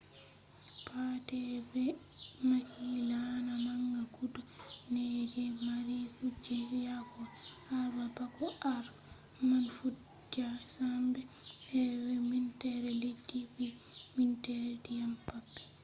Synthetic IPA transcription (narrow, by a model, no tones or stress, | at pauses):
pʰatɛbɛmakilanamaŋɡakudunɛd͡ʒɛmaɾifud͡ʒɛjakɔ | aɾbabakɔaɾ | manfu | d͡ʒasambɛɛbɛmintɛɾɛledːibimintɛɾɛdijampabːɛ̥